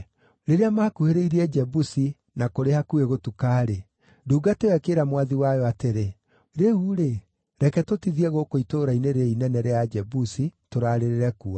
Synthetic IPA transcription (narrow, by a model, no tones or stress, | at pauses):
ɾeɾeamaːkuheɾeiɾiɛd͡ʒɛbusi | nakoɾehakueɣotukaːɾe | duːɡatewɛkeːɾamwaðiwajɔateɾe | ɾeuɾe | ɾɛkɛtotiðiɛɣokoitoːɾaineɾeinɛnɛɾead͡ʒɛbusitoɾaːɾeɾeɾɛkua